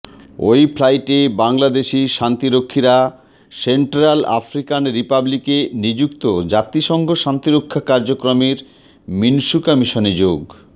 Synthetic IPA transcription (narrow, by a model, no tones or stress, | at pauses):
o̰jpʰlajʈebaŋlad̪eʃiʃant̪iɾokʰːiɾa | seɳʈɾala̰fɾikanɾipablikenid͡ʑukt̪od͡ʑat̪ːiʃɔŋɡʱoʃant̪iɾokʰːakaɾd͡ʑokɾomeɾ | minʃukɔmiʃoned͡ʑoɡ